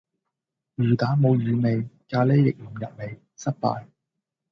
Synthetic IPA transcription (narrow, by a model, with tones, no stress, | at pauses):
ɥyː˨˩t̪aː˨˥mo˨˧wɥyː˨˧me˨jkaː˧le˥jːɪ˨k̚m̩˨˩mjɐ˨p̚me˨˧j | sɐ˥t̚pa̰ː˧j